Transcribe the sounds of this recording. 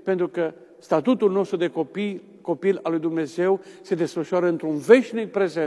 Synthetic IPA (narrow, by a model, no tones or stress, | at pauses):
pe̞nt̪ɾukə | st̪at̪ut̪ulno̞st̪ɾud̪e̞kopi | ko̞pilalujd̪umne̞ze̞wse̞d̪e̞sfəʃoaɾəɨnt̪ɾunve̞ʃnik̚pɾe̞zen